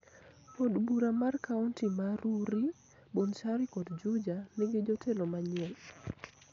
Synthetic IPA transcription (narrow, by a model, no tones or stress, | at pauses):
podbuɾamarkauntimaɾuɾi | bont͡ʃaɾɪkɔdd͡ʒud͡ʒanɪɡɪd͡ʒotʰelomaɲɪɛl